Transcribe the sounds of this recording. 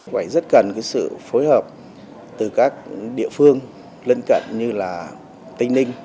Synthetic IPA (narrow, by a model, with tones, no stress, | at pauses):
faː˧˩jzə˦˥t̚kə˨˩nkaː˨˦jsɨ̰˧˨fo˨˦jhəː˨˩p̚ | t̪ɨ˨˩kaː˦˥k̚ɗḭ˧˨əfɨ˧əŋ | lə˧nkə̰˧˨nɲɨ˧laː˨˩ | t̪ï˧ŋ̟nï˧ŋ̟